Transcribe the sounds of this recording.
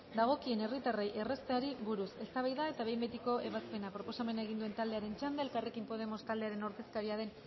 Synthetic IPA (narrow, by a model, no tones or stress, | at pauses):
d̪aɣ̞o̞kie̞nerit̪arejʔe̞re̞st̪eaɾiβuɾuse̞st̪aβajðae̞t̪aβe̞jmbet̪iko̞ʔe̞β̞aspe̞napɾo̞po̞same̞naeɣ̞ind̪ue̞nt̪ald̪e̞aɾe̞nt͡ʃand̪aelkarekimpo̞ð̞e̞mo̞st̪ald̪e̞aɾe̞noɾke̞skaɾiaðe̞n